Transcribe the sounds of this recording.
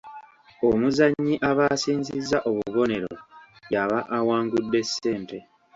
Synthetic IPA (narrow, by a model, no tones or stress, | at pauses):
omuzaɲːiʔaβasiːnzizːaʔo̞βuβo̞ne̞ɾo̰ | jaβaʔːwaːŋɡudːe̞sːe̞ːnte̞